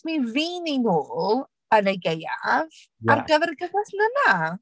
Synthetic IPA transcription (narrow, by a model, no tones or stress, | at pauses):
miviːninuːlˠ | ənejɡeja̰v | arɡəvɛrɡəχasnəna